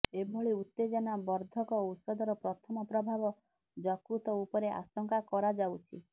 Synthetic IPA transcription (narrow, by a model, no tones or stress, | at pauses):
ebʱɔɭiut̪ːed͡ʒɔnabɔɾd̪ʱɔkɔusɔd̪ɔɾɔpɾɔt̪ʰɔmɔpɾɔbʱabɔ | d͡ʒɔkɾut̪ɔupɔɾeʔa̰sɔŋkakɔɾad͡ʒawt͡ʃʰḭ